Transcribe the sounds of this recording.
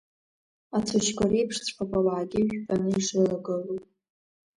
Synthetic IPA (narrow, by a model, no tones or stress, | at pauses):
at͡sʷʰaʃkʷaɾejpʰʂt͡sʷʰʼpʰakʷʼalaʕaɡʲɪʒᶣpʼanɨiʂɨlaɡɨlupʼ